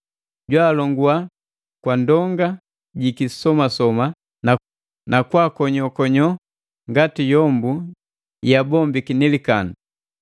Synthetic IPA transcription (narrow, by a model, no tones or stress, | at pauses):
ɟwaːlɔŋɡua | kwandɔŋɡa | ɟikisɔmasɔma | na | nakwakɔɲɔkɔɲɔ | ŋɡatijɔmbu | jabɔmbikinɛlikanu